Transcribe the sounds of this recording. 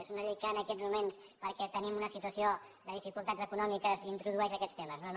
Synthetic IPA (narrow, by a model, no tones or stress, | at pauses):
ezunəʎejkəːnəkɛd͡zmumens | pəɾkɛt̪ənimunəsit̪wəsio | d̪əðifikulˠt̪ad͡zəkunɔmikəzint̪ɾuðuɛʃəkɛst̪eməznon